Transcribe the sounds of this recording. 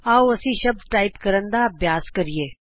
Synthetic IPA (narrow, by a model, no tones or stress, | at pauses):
aːwɐsĩʃɐb̚d̪ʈaːɪpkɐɾə̃nd̪abjaːzkɐɾieː